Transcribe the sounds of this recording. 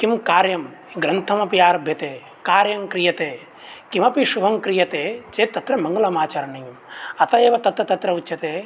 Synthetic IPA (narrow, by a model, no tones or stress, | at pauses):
kimkaːɾjɐm | ɡɾɐnt̪ʰɐmɐpijaːɾɐbʱjɐt̪eː | kaːɾjɐmkɾijɐt̪eː | kimɐpiʃubʱɐmkɾijɐt̪eːt͡ʃeːt̪ːɐt̪ɾɐmɐŋɡɐlɐmaːt͡ʃaːɾɐnɐjɐmɐt̪ɐjeːʋɐt̪ɐt̪ɾɐt̪ɐt̪ɾɐut͡ʃʰːɐt̪eː